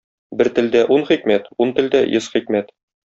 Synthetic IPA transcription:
bɘɾt̪ɘ̆ld̪æʔunχikmæt̪unt̪ɘ̆ld̪æjɤsχikmæt̪

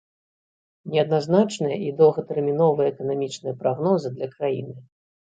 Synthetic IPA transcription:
nʲɛɐd̪naznat͡ʂnɨjɐʔid̪ɐwɣɐt̪ɛrmʲinɔvɨjɐɛkɐnamʲit͡ʂnɨjɐpɾaɣnɔzɨd̪lʲɐkɾajḭnɨ

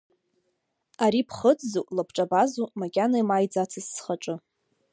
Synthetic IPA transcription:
aɾipʰχəd͡zzuʔʼlapʰʈ͡ʂʼabazumakʲʼanajmajd͡zat͡sʰasːχaʈ͡ʂʼɨ

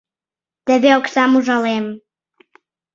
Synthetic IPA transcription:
d̪̥ɛvɛɔksamuʒalɛm

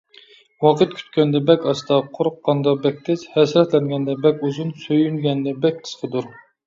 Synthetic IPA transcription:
wɑqʰət̪̚kʲʰy̥t̪̚kʲɛnd̪ɛbɛkʲɑst̪ɑqʰoɾʊqːɑnd̪ɑbɛk̚ʲt̪ʰɪzhɛsɾɛt̪lɛŋɡʲɛnd̪ɛbɛkʲuzunsøjynɡʲɛnd̪ɛbɛk̚ʲqʰə̥sqʰəd̪uɾ

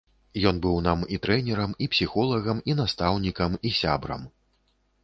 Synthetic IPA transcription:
jɔnbɨwnamit̪ɾɛnʲɛɾɐmipsʲixɔlˠɐɣɐminast̪awnʲikɐmisʲa̰bɾɐ̰m

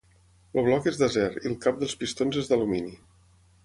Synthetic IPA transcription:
ləβ̞lɔkezðəzɛɾilˠkap̚d̪əlˠspist̪onzezd̪əlumini

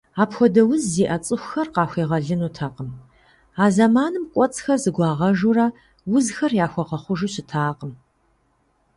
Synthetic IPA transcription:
aːpxʷɔdɐwʊzːiːʔɐt͡sʼɨxʷxɐrqɑːxʷiːʁɐɮɨnuːtʰaqəm | aːzɐmaːnɨmkʷʼɔt͡sʼxɐrzɨɡʷɑːʁɐʒurɐ | wʊzxɐrjaːxʷɔqɐχʷʊʒɨɕɪtʰaːqəm

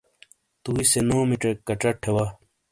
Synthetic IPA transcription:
t̪uːisenoːmiʈ͡ʂɐkːɐʈ͡ʂɐʈʰewa

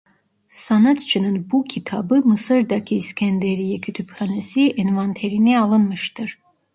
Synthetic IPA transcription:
sanat̪t͡ʃʰɨnɯnbukʰit̪ʰɑbɯmɨsɨɾd̪ɑkʰiːskʰɛnd̪ɛɾijɛkʰyt̪ʰypχanɛsiɛnvant̪ʰɛɾiniɑlˠɯnmɯʃt̪ɯɾ

